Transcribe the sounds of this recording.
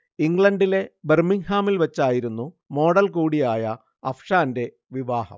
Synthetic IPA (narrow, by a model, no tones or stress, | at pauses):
iŋɡɭɐɳɖile̞bermiŋhaːmilʋɐt͡ɕːaːjiɾunːu | mo̞ːɽɐlkuːɽijaːjɐ | ɐfʰʂaːnde̞ | ʋiʋaːhɐ̰m